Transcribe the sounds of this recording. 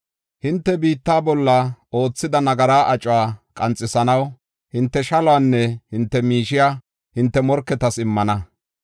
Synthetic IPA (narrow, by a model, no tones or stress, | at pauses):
hɪnt̪ːɛbiːt̪ːaːbɔlːɐo̞ːt͡sːɪd̪ɐnɐɡɐɾaːʔɐt͡ʃʼwaːkʼɐnt͡sʼːɪsɐnɐw | hɪnt̪ːɛʃɐlɔaːnːɛhɪnt̪ːɛmiːʃɪjaː | hɪnt̪ːɛmɔɾkːɛt̪ɐsɪmːɐnɐ